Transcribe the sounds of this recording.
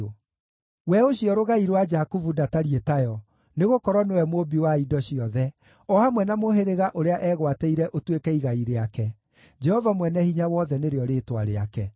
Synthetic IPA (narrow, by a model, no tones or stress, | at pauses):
wɛoɕiɔɾoɣaiɾwad͡ʒakuvudataɾietajɔ | neɣokɔɾwɔnewɛmobiwaidɔɕiɔðɛ | ɔhamwɛnamoɦeɾeɣaʔoɾeaʔɛɣwatɛiɾɛʔotwekɛiɣaiɾeakɛ | d͡ʒɛhɔvamwɛnɛhiɲawɔðɛneɾeɔɾeːtwaɾea̰kɛ